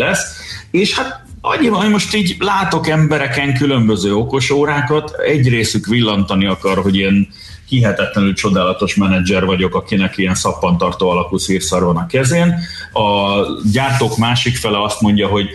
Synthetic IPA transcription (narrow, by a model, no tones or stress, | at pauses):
ɛseːʃhat̪ | ɒ̰ɲiɒmo̞ʃt̪iːɟlaːt̪o̞kɛmbɛɾɛkɛŋkylø̞mbø̞zøːo̞ko̞ʃoːɾaːkɒt̪ɛɟreːsykʋilːɒnt̪ɒniɒkɒrɦo̞ɟeːn | hiɦɛt̪ɛt̪lɛnylt͡ʃo̞d̪aːlɒt̪o̞ʃmɛnɛd͡ʒɛrvɒɟo̞kɒkinɛkiɛnsɒpːɒnt̪ɒrt̪oːɒlɒkulsiːrsɒrvɒnɒkɛzeːn | ɒɟaːrt̪oːkmaːʃikfɛlɛɒst̪mo̞ɲɟɒɦo̞ɟ